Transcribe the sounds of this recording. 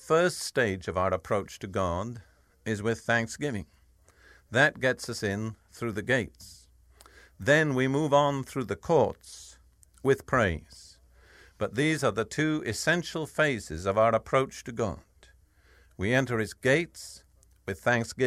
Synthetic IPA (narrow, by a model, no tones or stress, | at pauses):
fɜ˞ststeɪd͡ʒʌvaʊə˞əpʰɹ̥oʊt͡ʃtʰɨɡɑd | ɪzwɪð̥θæ̃ŋksɡ̥ɪvɪ̃ŋ | ðɨt̚ɡ̥ɛtsʌsɪ̃nθɹʉðɨɡeɪts | ðɨ̃nwimuvn̩θɹʉðɨkʰɔɹts | wɨð̥pʰɹ̥eɪz̥ | b̥ʌt̪̚ðizə˞ðɨtʰʉɨsɛ̃nʃl̩ˠfeɪsɨzʌvaʊə˞əpʰɹ̥oʊt͡ʃtʰɨɡɑ̰d̥ | wiɛ̃ntə˞ɨzɡeɪts | wɨð̥θæ̃ŋksɡ̥ɪ